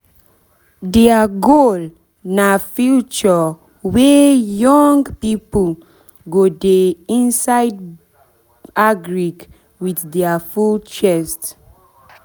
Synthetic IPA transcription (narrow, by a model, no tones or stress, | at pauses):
dɛaɡol | nafjut͡ʃə | wɛjɔ̃ŋɡpipəl | ɡodeĩnsajd̚ | aɡɹik | wiðdɛafult͡ʃɛst